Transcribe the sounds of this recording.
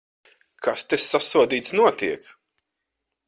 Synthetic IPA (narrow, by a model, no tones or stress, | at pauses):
kʰast̪esːasuɔd̪iːt̪snuɔt̪iɛk